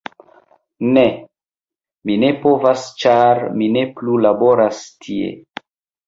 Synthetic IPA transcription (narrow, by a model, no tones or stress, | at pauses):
ne | mine̞po̞vast͡ʃaɾmine̞plulabo̞ɾastʰie̞̰